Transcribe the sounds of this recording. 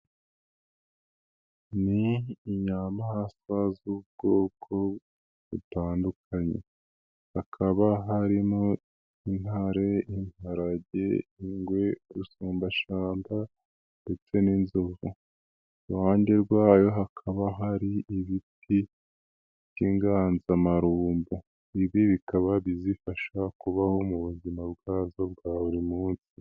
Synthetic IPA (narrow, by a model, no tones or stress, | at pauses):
niɲamahasazubɡ̥o̞ːkʰo̞ | βutaːndukʰaɲḛ | hakʰaβaɦaɾimo | in̥haɾejinaɾaɟḛiŋɡwe̞ɾusuːmbaʃaːmba | nde̞t͡se̞ninzovu | uaːɲɟeɾɡwaːjo̞ɦakʰaβaɦaɾiiβitʰ | i | ɟiŋɡaːnzamaɾuːmbu | iβiβikaβaβizifaʃakuβaho̞muβuzimabɡaːzo̞b̚ɡaːβuɾimuːnsi̥